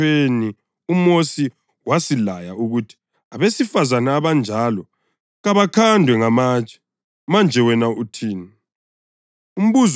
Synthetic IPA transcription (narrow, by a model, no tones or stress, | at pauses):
eni | umosi | wasilaja̰uɣutʰi̥ | aβesifazanaːβand͡ʒʱalɔ | ɣaβakʰandʱwɛŋamaːt͡ʃʰʼḁ | mand͡ʒʱɛwɛnautʰiːnɛ | um̩βuz